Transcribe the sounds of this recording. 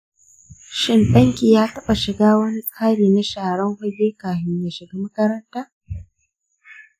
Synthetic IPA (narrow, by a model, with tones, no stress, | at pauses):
ʃɪ˦˨ntɐ˦ŋkʲiː˨jaː˦tɐ˦ɓa˨ʃɪ˨ɡaː˦wɐ˦ni˦sʼaː˦ɽiː˨na˦ʃaː˨ɽɐ˦ŋhʊ˦d͡ʒeː˦kaː˨ju˨ja˨ʃɪ˨ɡaː˦mɐ˦kɐ˦ɾɐ˦ntaː˦